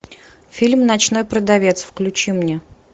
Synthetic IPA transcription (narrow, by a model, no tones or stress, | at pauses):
fʲilʲmnɐt͡ɕno̞jpɾəd̪ɐvʲet̪sfklʲʉt͡ɕimnʲe